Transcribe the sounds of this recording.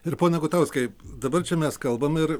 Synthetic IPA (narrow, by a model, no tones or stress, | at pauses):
ɪɾpoːnʲɛɡʊt̪ɐʊsʲkʲɐɪd̪ɐbɐrt͡ʃʲɛmʲɛskɐlˠbɐmɪɾ